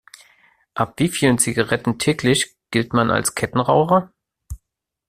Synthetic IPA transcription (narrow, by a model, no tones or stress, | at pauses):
ʔapv̥iːfiːlənt͡siɡaʁɛtn̩tʰɛːklɪç | ɡ̥ɪltmanʔa̰lskʰɛtn̩ʁaʊχɐ